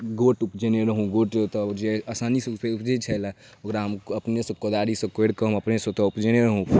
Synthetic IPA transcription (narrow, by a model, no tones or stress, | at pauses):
ɡoʈupd͡ʒeneɾəɦũɡoʈt̪ɔd͡ʒeəsanispeupd͡ʒet͡ʃʰəjla | okɾaɦəməpnesə̃kod̪aɾisə̃keɽkəɦməpnesə̃t̪ɔupd͡ʒeneɾəɦũ